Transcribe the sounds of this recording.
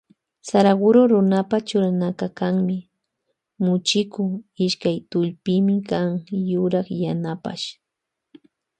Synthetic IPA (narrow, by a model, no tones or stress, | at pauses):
saɾaɡʊɾoɾʊnapat͡ʃʊɾanakakaŋmɪ | mʊt͡ʃɪkʊɪʃkajt̪ʊʎpɪmɪkaŋjʊɾɑχjanapa̰ʃ